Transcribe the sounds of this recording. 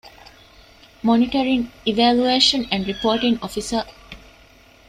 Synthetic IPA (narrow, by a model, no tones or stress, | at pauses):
mɔniʈəɾĩŋiʋælueːʃə̃næ̃ɳɖɾipoːʈĩŋɔfisə